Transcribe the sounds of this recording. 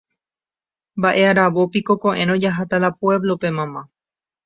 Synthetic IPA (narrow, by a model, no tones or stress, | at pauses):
mbaʔe̞aɾaʋopiko̞kõʔẽ̞ɾ̃õd͡ʒaɦat̪aðapwe̞βlo̞pe̞mãmã